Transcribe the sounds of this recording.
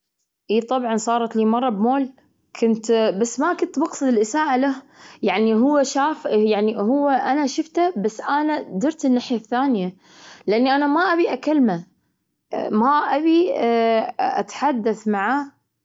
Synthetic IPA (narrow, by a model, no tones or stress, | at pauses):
ʔiːt̪ˤɑbʕɑnsˤɑːɾˤɑt̪liːmɑrˤːɑbmoːl | kʰʊnt̪basːmakʊnt̪bɑqsˤɨd̪ɪlʔɪsaːʔalahjaʕniɦʊwːaʃaːfjaʕnihʊwːaʔanaʃʊft̪abasːʔanad̪ɪɾt̪ɪnːaːħjaθːaːnja | lʔanːiʔanamaʔabiʔakalma | maʔabi | ʔa̰t̪ħad̪ːaθmaʕaː